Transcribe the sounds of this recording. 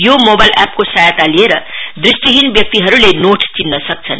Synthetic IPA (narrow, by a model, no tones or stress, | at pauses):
jomobajlap̚kosajat̪alieɾʌd̪risʈiɦinbjʌk̚t̪iɦʌɾulenoʈt͡sinːʌsʌk̚t͡sʰʌn